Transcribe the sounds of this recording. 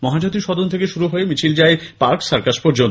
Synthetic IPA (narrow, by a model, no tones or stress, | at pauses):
mɔɦad͡ʑot̪iɾʃɔd̪ont̪ʰekeʃuɾuɦoemit͡ɕʰild͡ʑaepaɾksaɾkaʃpoɾd͡ʑont̪